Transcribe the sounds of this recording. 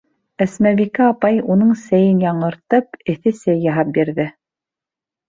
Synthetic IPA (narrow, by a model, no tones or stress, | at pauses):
æsmæβikæɑpɑjunɤɴsæjɘnjɑɴɤ̆ɾt̪ɤpɘ̆θɘsæjːɑɦɑp̚biɾðɘ